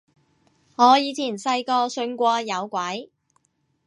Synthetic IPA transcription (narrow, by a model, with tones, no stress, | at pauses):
ŋɔː˨˧jiː˨˧t͡sʰiː˨˩nsɐ˧jkɔː˧sɵ˧nkʷɔː˧jɐ˨˧wkʷɐ˨˥j